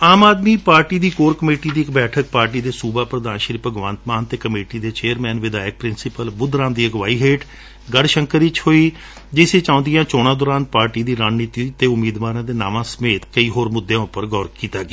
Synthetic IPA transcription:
aːmaːd̪miːpaːɾʈiːd̪iːkoːɾkəmeːʈiːd̪iːɪkbɛːʈʰək̚paːɾʈ̬iːd̪eːsuːbaːpɾəd̪aːnʃɾiːpəɡʋãːnt̪maːnt̪eːkəmeːʈiːd̪eːt͡ʃeːəɾmɛːnʋɪd̪aːjək̚pɾɪnsɪpəlbʊd̪ʱɾãːmd̪iːəɡʋaːiːɦeːʈ | ɡəɽʃəŋkəɾit͡ʃhoːiː | d͡ʒɪseːt͡ʃãːʊ̃ːnd̪ɪjãːt͡ʃɔːɽ̃ãːd̪ɔːɾaːnpaːɾʈiːd̪iːɾaːd͡ʒniːt̪iːt̪eːʊmiːd̪ʋaːɾãːd̪eːnaːʋãːsəmeːt̪kəiːɦoːɾmʊd̪ːjãːʊpːəɾɡɔːɾkiːt̪aːɡeː

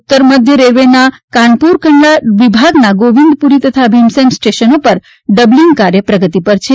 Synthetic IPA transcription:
ut̪ːəɾməd̪ʱjəɾeɾʋenakaɳɖpuɾkʰəɳlaʋibʱaɡnaɡoʋĩnd̪̚puɾit̪ət̪ʰabʱimsemsʈeʃənopəɾ | ɖəbliŋɡkaɾjəpɾəɡət̪ipəɾt͡ʃʰe

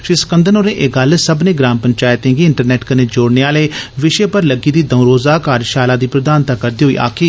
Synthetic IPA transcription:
ʃɪsə̥kənd̪ənoːɾẽːʔeːɡəlsəbnẽːɡɾaːmpəɲt͡ʃaːɪt̪ẽːɡiːɪɳʈəɾnɛːʈkəneːd͡ʒoːɽneːaːleːʋɪʃeːpəɾləɡiːd̪iːd̪əũɾoːzaːkaːɾʃaːlaːd̪iːpɾəd̪aːnt̪aːkəɾd̪iːɦoːḭːʔa̰ːkʰiː

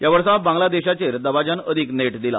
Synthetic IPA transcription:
jaʋəɾsãbãŋɡlad̪eɕat͡ɕeɾd̪əbad͡ʑanəd̪ʱiːkneʈd̪ila̰

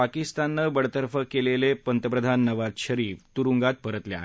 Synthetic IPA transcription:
akist̪anːəbəɽ̤t̪əɾfəkelelepənt̪əpɾəd̪ʱanːəʋad͡zɕəɾiːft̪uɾuŋɡat̪̚pəɾət̪lea̰ɦe

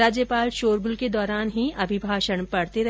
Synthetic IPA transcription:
aːd͡ʒjəpaːlʃoːɾɡʊlked̪ɔːɾaːnɦiɐbʱibʱaːʃəɽpɐɽt̪eɾɐ

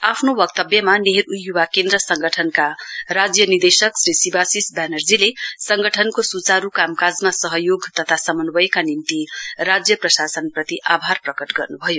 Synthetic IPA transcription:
apʰnobʌk̚t̪ʌbjʌmaneɦeɾujjːuwakend̪ɾʌsʌŋɡʱʌʈʰʌnkaɾad͡zjʌnird̪esʌksɾisibasisbanʌrd͡zilesʌŋɡʱʌʈʰʌnkosut͡saɾukamkad͡zmasʌɦʌjoɡt̪ʌt̪ʰasʌmʌnbʌjekanint̪irad͡zjʌprʌsasʌnprʌt̪iʔabʱarprʌkʌʈɡʌrnubʱʌjo

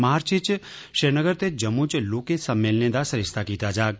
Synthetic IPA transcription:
maːɾt͡ʃʰit͡ʃ | ʃeɾnəɡəɾt̪ed͡ʒəmũt͡ʃlokesəmːelnẽd̪asəɾɪst̪ʰakit̪ad͡ʒaːk̚

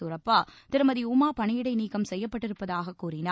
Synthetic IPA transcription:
ʊɾɐpːaːt̪ɪɾɯmɐðiumaːpɐɳɪjɪɽɐɪniːkːɐmsɛjːɐpːɐʈːɪɾɯpːɐðaːɣɐkːuːrɪnaː

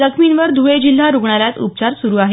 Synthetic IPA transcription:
dəkʰminʋəɾd̪ʱuʋed͡ʑil̤ːaɾuɡɳaɾjat͡sṵp̚t͡ɕaɾsuɾuːaɦe

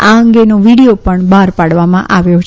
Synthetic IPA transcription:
aəŋɡenoʋiɽijopəɳbʱaɾpaɽʋamã̰ʔaʋjot͡ʃʰ

